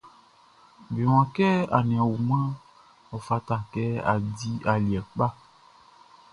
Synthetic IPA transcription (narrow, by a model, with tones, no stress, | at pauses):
be˨w̃ã˨kɛ˦a̰˨nĩ˨ã˨wu˨mã˦ | ɔ˨fa˦ta˨kɛ˦a̰˨di˦a˨li˨ɛ˨k͡pa˦